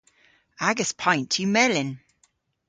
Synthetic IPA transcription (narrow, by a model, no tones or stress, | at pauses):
aɡəspʰãɪ̃ntʰəmɛlɪ̃n